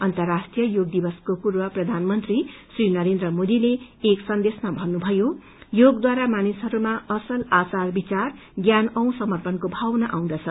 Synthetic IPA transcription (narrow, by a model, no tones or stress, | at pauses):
ʌnt̪ʌrːasʈrijʌjoɡd̪ibʌskopurbʌprʌd̪ʱanmʌnt̪risrinʌɾend̪rʌmod̪ileeksʌnd̪esmabʱʌnːubʱʌjo | joɡd̪waɾamanisɦʌɾumaʌsʌlat͡sarbit͡sar | ɡjanʌw̃sʌmʌrpʌnkobʱawʌnaʔaw̃d̪ʌt͡sʰʌ